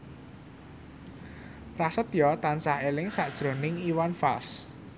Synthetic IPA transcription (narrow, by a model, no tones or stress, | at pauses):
rasət̪jɔt̪ansahelɪŋsaʔd̥ʒ̥ɾo̤nɪŋiwanfals